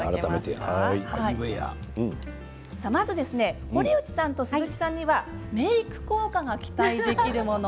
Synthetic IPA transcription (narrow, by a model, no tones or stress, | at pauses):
aɾat̪amet̪ehaiaieja̰ | samazɨd̪e̞sɨne̞ | o̞ɾʲiɯ̟t͡ɕi̥sãnt̪o̞sɨzɨkʲi̥sãɲ̟ːiβame̞ikɯ̟̥ko̞ːkaɡakʲi̥t̪aid̪e̞kkʲiɾɯ̟mo̞no